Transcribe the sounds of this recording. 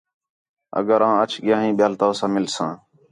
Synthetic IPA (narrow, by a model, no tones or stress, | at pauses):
ə̰ɡəɾãːət͡ʃʰɡɪjãːɦĩːɓɪjaːlt̪oːsãːmɪlsãː